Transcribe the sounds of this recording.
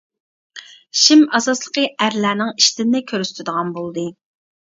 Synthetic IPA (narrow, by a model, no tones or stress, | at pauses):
ʃimɑsɑslˠəqəæɾlæːnɪŋiʃt̪ɪnnɪkʲʰøɾyst̪ʰɪd̪əʁɑnbolˠd̪ɨ